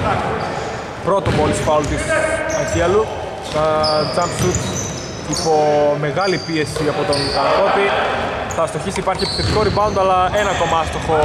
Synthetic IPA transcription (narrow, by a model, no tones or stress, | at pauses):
ɐk | pɾo̞t̪opolispɐult̪isɐciɐlu | ɐt͡sɐmkt̪ut̪ | ipome̞ɣɐlipie̞siɐpot̪onk̪ɐkot̪i | θɐst̪o̞çisipɐɾçiepi̥θet̪iko̞ɾibɐund̪oɐlɐe̞nɐko̞mɐɐst̪oxo̞